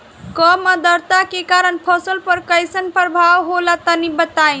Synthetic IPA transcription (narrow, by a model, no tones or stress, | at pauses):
kəmad̪əɾt̪akekaɾənpʰəsəlpəɾkəɪsənpəɾəbʱawɦolat̪ənibət̪ai